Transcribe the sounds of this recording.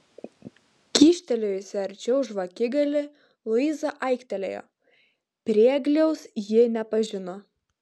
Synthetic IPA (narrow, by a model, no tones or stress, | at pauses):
kʲiːʃʲt̪ʲɛlʲojsʲɛɐɾʲt͡ʃʲɛʊʒʋɐkʲɪɡɐlʲɪ | lˠʊizɐʔɐɪkʲt̪ʲɛlʲḛjo̰ | pʲɾʲiɛɡlʲɛʊsjɪnʲɛpɐʒʲɪno